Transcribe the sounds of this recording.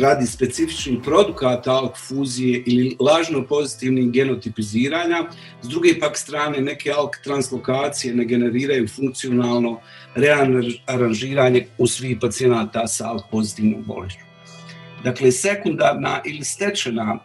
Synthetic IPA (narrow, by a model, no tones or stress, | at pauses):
ɾaːd̪ispe̞t̪sifi̥t͡ʃniːpɾo̞d̪ukaːt̪aalˠkfuːzije̞ʔililaːʒnopo̞zit̪iʋnihɡe̞no̞t̪ipiziːɾaːɲa | zd̪ɾuɡepakst̪ɾaːne̞ne̞ke̞alkt̪ɾanslokaːt̪sije̞ne̞ɡe̞ne̞ɾiːɾajuːfuŋkt̪sio̞naːlˠno̞ | ɾe̞aaɾanʒiːɾaːɲe̞usʋiːhpat̪sije̞naːt̪asaalˠkpo̞zit̪iːʋno̰bo̰lit͡ʃu̥ | d̪akle̞se̞kund̪aːɾna̰ʔilist̪e̞t͡ʃena